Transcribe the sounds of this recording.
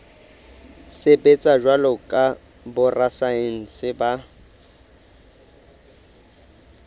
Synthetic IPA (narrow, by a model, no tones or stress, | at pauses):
sɪbet͡sʼaʒwalɔkʼa | bʊrasaɪn̩sɪba